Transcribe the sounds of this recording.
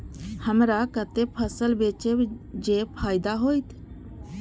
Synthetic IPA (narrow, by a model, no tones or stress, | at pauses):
həmɾaːkət̪eːpʰəsəlbeːt͡ʃeːbd͡ʒeːpʰaːɪd̪aːɦoːit̪ʰ